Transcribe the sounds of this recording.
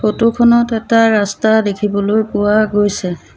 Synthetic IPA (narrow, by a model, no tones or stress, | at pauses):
xotukʰɔnɔtɛtaɹastadekʰibɔlojpʊwaɡojsɛ